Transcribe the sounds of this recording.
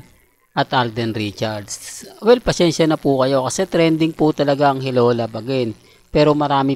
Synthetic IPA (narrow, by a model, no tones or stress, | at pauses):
ʔɐt̪ʔald̪ɛnɾit͡ʃɐɾd̪swɛlpɐsɛnʃjɐnɐpukɐjo̞kɐsɛt̪ɾɛnd̪ɪŋput̪ɐlɐɡaɐŋhɪloːlɐbɐɡɛn | pɛːɾo̞mɐɾaːmɪ